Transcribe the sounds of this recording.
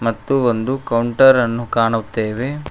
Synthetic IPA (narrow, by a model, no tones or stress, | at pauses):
mɐt̪ːuond̪ukɐwɳʈɐɾɐnːukaːɳut̪ːeːʋe̞